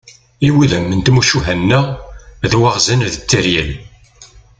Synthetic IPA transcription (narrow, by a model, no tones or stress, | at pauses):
iwiðəmːənt̪muʃuɦænːæðwaʁzənðət͡sːəɾjəl